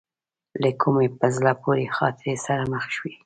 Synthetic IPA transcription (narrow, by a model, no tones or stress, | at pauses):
ləkʰumepəzlɑpoɾexɑt̪ɪɾesaɾaməxʃwi